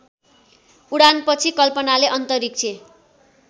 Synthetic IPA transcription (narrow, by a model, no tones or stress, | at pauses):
uɽanpʌt͡sʰikʌlpʌnaleʔʌnt̪ʌɾik̚t͡sʰe